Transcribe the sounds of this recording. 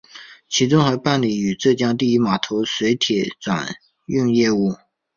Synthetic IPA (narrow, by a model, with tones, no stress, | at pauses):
t͡ɕʰi˧˥t͡sʊ˥ŋxə˧˥pa˥˩nli˨˩y˨˩ʈ͡ʂɤ˥˩t͡ɕjɑ˥ŋt̪i˥˧i˥ma˨˩t̪ʰo˧˥ʊswe˧˥ɪt̪ʰjɛ˨˩t͡swa̰˨˩˦n | y˥˧ŋjɛ˥˧u˥˩